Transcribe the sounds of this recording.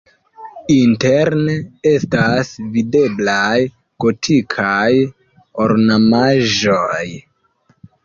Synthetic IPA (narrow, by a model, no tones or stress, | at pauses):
inteɾnee̞stasvide̞blaj | ɡ̥o̞tʰikʰaj | oɾnamaʒoj